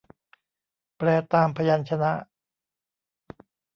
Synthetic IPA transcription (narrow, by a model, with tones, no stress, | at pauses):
pɾɛː˧˩t̪aː˧mpʰa˧ja˧nt͡ɕʰa˧na˦˥ʔ